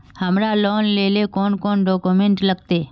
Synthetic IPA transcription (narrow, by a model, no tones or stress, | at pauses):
hɐmɾalɔːnleːlekɔːnkɔːnɖɔːkumẽɳʈlɐɡt̪eː